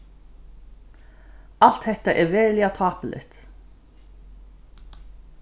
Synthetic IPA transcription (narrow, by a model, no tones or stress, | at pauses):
al̥t̪hɛht̪aʔɛɹvɛːɹlɪat̪ʰɑːpəlʔɪ̰ht̪